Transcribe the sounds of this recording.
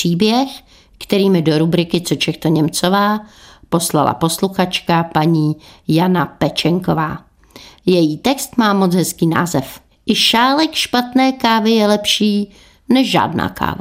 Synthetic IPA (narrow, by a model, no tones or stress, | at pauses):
iːbjɛx | kt̪ɛɾiːmɪdo̞ɾubɾɪkɪt͡sot͡ʃɛxt̪oɲɛmt͡sovaːpo̞sla̰la̰po̞sluxat͡ʃkapaɲiːjanapɛt͡ʃɛŋkovaː | jɛjiːt̪ɛkst̪maːmot͡sɦɛskiːna̰ːzɛf | ʔɪʃaːlɛkʃpat̪nɛːkaːvɪjɛlɛpʃiː | nɛʃʒa̰ːdna̰ːkʰa̰ːva̰